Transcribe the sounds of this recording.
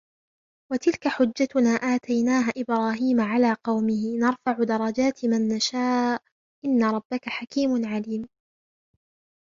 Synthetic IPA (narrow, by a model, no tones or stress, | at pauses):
wat̪ɪlkaħʊd͡ʒːat̪ʊnaːʔaːt̪ajnaːɦaʔɪbɾɑːɦiːmaʕalaːqɑwmɪhɪnɑɾˤfaʕʊd̪ɑɾˤɑd͡ʒaːt̪ɪmanːaʃaː | ʔɪnːaɾˤɑbːakaħakiːmʊnʕaliːm